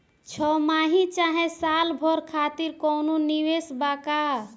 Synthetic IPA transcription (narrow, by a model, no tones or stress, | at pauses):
t͡ʃʰɔmaɦĩt͡ʃaɦẽsalbʱɔɾkʰat̪iɾkɔnoniwesbaka